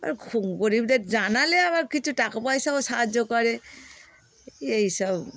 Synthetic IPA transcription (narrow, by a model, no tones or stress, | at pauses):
a̰ɹkʰuŋkɔɹibdɛtzanalɛamaɹkitʰutakɔpaɦisabɔsaɦazɔkaɹɛ | eisab